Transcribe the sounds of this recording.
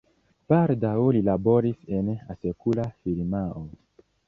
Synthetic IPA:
b̥aldawlilabo̞ɾise̞nasekulafiɾmao

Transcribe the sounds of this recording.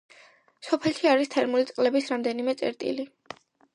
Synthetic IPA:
sɔpʰɛlʃiaɾist̪ʰɛɾmulit̪sʼqʼlɛbisɾamd̪ɛnimɛt̪sʼɛ̰ɾt̪ʼḭli

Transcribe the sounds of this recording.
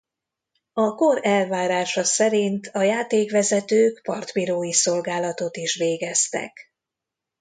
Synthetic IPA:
ɒkoɾɛlvaːɾaːʃɒsɛɾint̪ʰɒjaːt̪eːkʋɛzɛt̪øːkpɒrt̪piɾoːjiso̞lɡaːlɒt̪o̞t̪iʃʋeːɡɛst̪ɛ̰k

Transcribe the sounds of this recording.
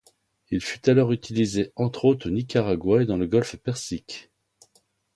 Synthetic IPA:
ilfy̥t̪alɔʁyt̪ʰilizeɑ̃t̪χot̪χənikaʁaɡwaed̪ɑ̃ləɡɔlfpɛʁsikʲ

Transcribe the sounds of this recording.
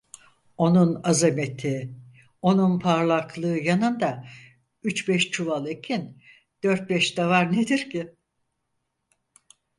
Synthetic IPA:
o̞nunazeme̞t̪ʰi | o̞nunpʰaɾlˠaklˠɯːjanɯnd̪a | yt͡ʃbɛʃt͡ʃʰuvalˠecʰin | d̪̥øɾt̪̚bɛʃd̪avaɾned̪iɾcɪ

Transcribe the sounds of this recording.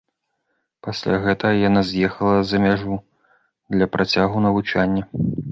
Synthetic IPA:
pasʲlʲaɣɛt̪ɐɣɐjanazʲjɛxɐlˠɐzɐmʲaʐu | d̪lʲɐpɾʔat͡sʲaɣunɐvut͡ʂanʲːɐ

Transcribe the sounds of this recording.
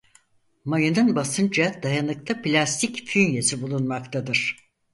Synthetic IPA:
majɯnɯnbasɯnd͡ʒad̪ajanɯk̚t̪ʰaplʲast̪ʰicfynjesibulˠunmakt̪ʰad̪ɯɾ̥

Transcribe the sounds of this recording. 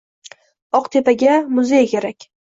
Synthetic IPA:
ɒqt̪ʰe̞paɡʲamʊzejkʲeɾakʲ

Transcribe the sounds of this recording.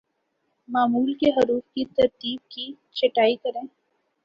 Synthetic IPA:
maːmuːlkeɦɐɾuːfkit̪ɐɾt̪iːb̚ki | t͡ʃʰɐʈaːikɐɾẽː

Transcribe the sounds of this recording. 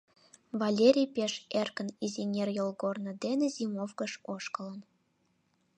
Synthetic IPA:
vɑlʲeɾʲijpʲeʃerkə̆nizʲinʲerjolˠɣornɤ̆d̪enĕzʲimofkɤ̆ʃoʃkɤ̆lə̆n

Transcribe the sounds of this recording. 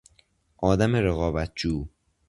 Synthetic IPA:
ʔɒːd̪æmeɾeɣɒːbæt̪̚ʰd͡ʒuː

